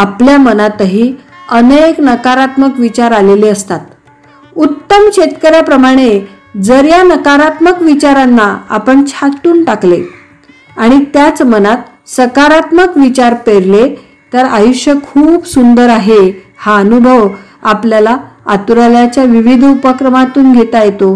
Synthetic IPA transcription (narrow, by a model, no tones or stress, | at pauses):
apljamənat̪əɦiː | əneknəkaɾat̪məkʋit͡ɕaɾaleleəst̪at̪̚ | ut̪ːəmkɕet̪kəɾjapɾəmaɽ̃e | d͡zəɾjanəkaɾat̪məkʋit͡ɕaɾanːaa̰pəɳt͡ɕʰaʈ̪uːnʈakle | aɽ̃it̪jat͡smənat̪̚ | səkaɾat̪məkʋit͡ɕaɾpeɾle | t̪əɾajuɕjəkʰuːbsund̪əɾaɦe | haənubʱəʋ | apljalaa̰t̪uɾaljat͡ɕjaʋiʋid̪ʱupəkɾəmat̪uːnɡʱet̪ajet̪o